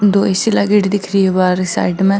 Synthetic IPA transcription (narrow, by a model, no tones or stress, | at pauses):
d̪oːesilaːɡɪɖd̪ɪkʰɾiebaːɾsa̰ːɖmɛ̃